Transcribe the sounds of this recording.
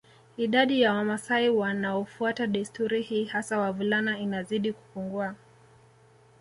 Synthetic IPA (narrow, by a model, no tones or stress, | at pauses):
iɗaɗijawamasaiwanaɔfuataɗistuɾihiːhasawavulanainaziɗiku̥puŋɡua